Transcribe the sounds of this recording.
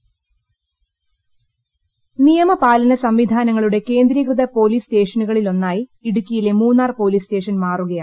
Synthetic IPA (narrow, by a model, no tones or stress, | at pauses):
nijɐmɐpaːlɐnɐsɐmʋid̪ʱaːnɐŋːɐɭuɽe̞ke̞ːnd̪ɾikrɨd̪ɐpo̞ːliːste̞ːʂɐnuɣɐɭilo̞nːaːjiiɽukʲːɐjilemuːnːaːrpo̞ːliːste̞ːʂɐnmaːruɣɐjaː